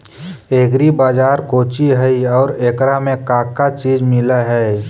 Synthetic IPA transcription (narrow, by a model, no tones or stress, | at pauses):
eːɡɾibaːd͡ʒaːɾkoːt͡ʃiɦɛiɔːɾeːkɾamẽkaːkːat͡ʃiːd͡ʒmɪlaɦɛ